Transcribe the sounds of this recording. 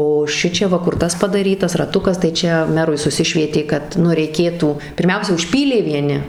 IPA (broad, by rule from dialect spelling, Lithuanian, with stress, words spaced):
oː ʃʲɪˈt͡ʃʲɛ ˈʋɐ ˈkʊr ˈtɐs pɐdɐˈrʲiːtɐs rɐˈtʊkɐs tɐɪ ˈt͡ʃʲɛ ˈmʲæːrʊɪ sʊˈsʲɪʃʲʋʲiɛtʲeː kɐt ˈnʊ rʲɛɪˈkʲeːtuː pʲɪrʲˈmʲɛʊsʲɛ ʊʃʲˈpʲiːlʲeː ʋʲiɛˈnʲɪ